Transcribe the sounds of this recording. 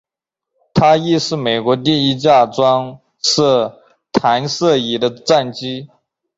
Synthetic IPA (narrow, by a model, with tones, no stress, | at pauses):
t̪ʰa˥i˥˧ʂɻ̩˥˩me˨˩ɪkwɔ˧˥t̪̬i˥˩i˥t͡ɕja˥˩ʈ͡ʂwɑ˥ŋ | sɤ˥˩ | t̪ʰa˧˥nsɤ˥˩i˨˩d̪ə˦t͡sa˥˩nt͡ɕi˥